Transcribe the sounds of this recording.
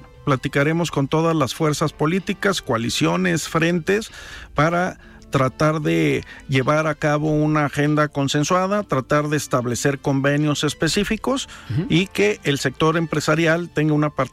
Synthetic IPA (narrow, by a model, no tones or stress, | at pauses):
plat̪ikaɾe̞mo̞sko̞nt̪o̞ðazlasfwe̞ɾsaspo̞lit̪ikaskwalisjo̞ne̞sfɾe̞nt̪e̞spaɾa | t̪ɾat̪aɾðe̞ʝe̞βaɾakaβo̞unaːxe̞nd̪ako̞nse̞nswað̞at̪ɾat̪aɾðe̞ːst̪aβle̞se̞ɾko̞mbe̞njo̞se̞spe̞sifiko̞sike̞ʔːlse̞k̚t̪o̞ɾe̞mpɾe̞saɾjalt̪e̞ŋɡaunapaɾ